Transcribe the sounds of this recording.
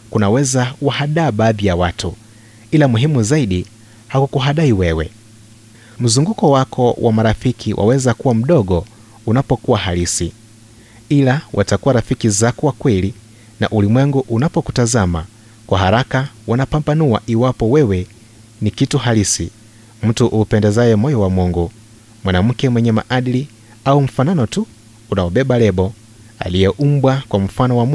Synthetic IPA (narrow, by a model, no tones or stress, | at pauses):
kunawɛzawahaɗaːɓaːðijawatu | ilamuɦimuzaiɗi | hakukuɦaɗaiwɛwɛ̰ | m̩zuŋɡukɔwakʰɔwʔa̰maɾafikʰiwʔa̰wɛzakuwam̩ɗɔɠɔ | unapɔkuwahalisi | ilawʔatakuwaɾafikizakuwakwɛli | na̰ʔulimwɛŋɡuʔunapɔkutazama | kwaɦaɾakawanapambanua̰ʔiwapɔwɛwɛ | nikituhalisḭ | m̩tuʔuːpɛndɛzajɛmɔjɔwamɔŋɡɔ | mwanam̩kɛmwɛɲɛma̰ʔaɗili | aum̩fananɔtuː | nawɔɓɛɓalɛɓɔ | a̰lijɛʔum̩bwakwam̩fanɔwam